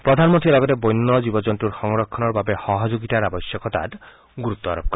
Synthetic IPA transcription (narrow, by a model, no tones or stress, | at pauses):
pɾɔd̪ʱanmont̪ɾilɔɡɔt̪ebojnːɔd͡ʒibɔd͡ʒɔnt̪ɾuɾxɔŋɾɔkʰːɔnɔɾbabehɔɦɔd͡ʒoɡit̪aɾabɔsjɔkɔt̪a̰ɾ | ɡuɾut̪ːɔaɾɔb̚kɔɾ